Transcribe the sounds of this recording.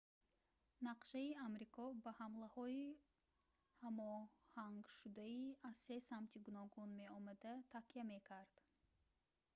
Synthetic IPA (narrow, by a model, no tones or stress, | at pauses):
naqʃaiamɾikʰɔbahamlahɔi | hamɔhaŋɡʃud̪aiaz̥se̞samt̪ʰiɡunɔɡunme̞ɔmad̪at̪ʰakiame̞kʰaɾd̪̥